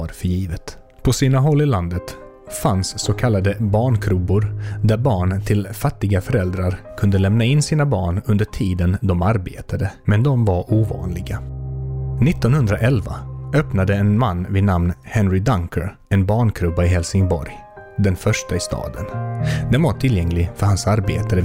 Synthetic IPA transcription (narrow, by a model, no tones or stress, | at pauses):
aɾfœɾjiːvət̪ | pʰɔsiːnaɦɔlːɪland̪ət̪ | fansːɔkʰalːad̪əbɑːɳkʰɾɵbːʊɾd̪æɾbɑːɳt̪ʰɪlfat̪ːɪɡafœɾɛld̪ɾaɾkʰɵnd̪əlɛmnaɪnːsiːnabɑːɳɵnd̪əʈʰiːd̪ənd̪ɔmaɾbḛːt̪ʰad̪əmɛnd̪ɔmvaɾuːvɑ̰ːnlɪɡa | nɪt̪ːɔnhɵnd̪ɾaʔɛlva̰œpnad̪əɛnmanːvɪnamnhɛnɾɪd̪aŋkʰəɾ | ɛnbɑːɳkʰɾɵbaɪɦɛlsɪŋbɔ̰ɾj | d̪ɛnfœʂʈaɪst̪ɑ̰ːd̪ənd̪ɛnvaʈʰɪljɛŋlɪfœɾhansaɾbḛːt̪aɾə